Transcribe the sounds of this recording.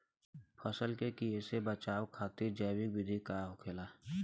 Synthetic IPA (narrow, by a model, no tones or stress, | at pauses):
pʰəsəlkekiesebət͡ʃaːwkʰaːt̪iɾd͡ʒɛːwikwɪd̪ʱikaʊkʰeːlaː